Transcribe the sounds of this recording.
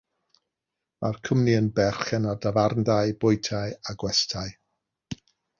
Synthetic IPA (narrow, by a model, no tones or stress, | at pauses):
mʔa̰rkʰəmniənbɛrχɛnardavarndajbʊjtʰajaɡwɛstʰaj